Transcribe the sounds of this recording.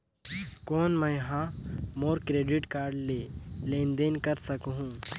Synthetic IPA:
koːnməjɦãːmoːɾkɾeːɖɪʈkaːɾɖleːlẽːnd̪enkəɾsɐkɦũː

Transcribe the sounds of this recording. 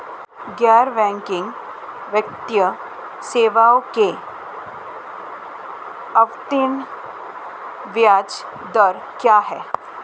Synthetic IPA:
ɡaːɾʋɛ̃ːŋkɪ̃ŋɡ | ʋjək̚t̪jə | seːʋaːõke | ɐʋt̪ɪn | ʋjaːd͡ʒ | d̪əɾ | kjaːɦɛː

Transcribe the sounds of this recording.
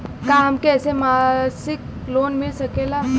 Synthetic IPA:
kaamkesemasik | lonmiɭsəkela

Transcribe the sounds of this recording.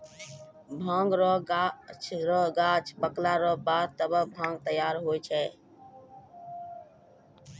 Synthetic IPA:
bʱãːŋɡɾoːɡat͡ʃʰɾoːɡaːt͡ʃʰpəklaːɾoːbaːt̪əbəbʱãːŋɡ̚t̪əjaːɾɦoːit͡ʃʰɛː

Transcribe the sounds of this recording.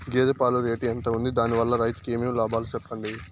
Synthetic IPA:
ɡeːd̪epaːluɾeːʈiɐnt̪ɐund̪id̪aːniʋɐlːɐɾɐjt̪u̥keːmeːmlaːbʱaːlusɛpːɐɳɖi

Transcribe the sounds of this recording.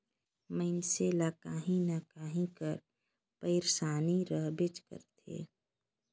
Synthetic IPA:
məɪnselakaːɦĩnakaːɦĩkəɾ | pəɪɾsaːniɾəɦbɪt͡ʃkə̰ɾt̪ʰḛː

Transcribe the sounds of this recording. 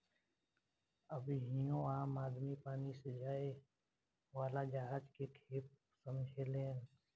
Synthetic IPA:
əbɦĩjõãːmaːd̪mipaːnised͡ʒaːe | waːlad͡ʒaɦaːd͡ʒkekʰeːp̚ | səmd͡ʒʱeleːn

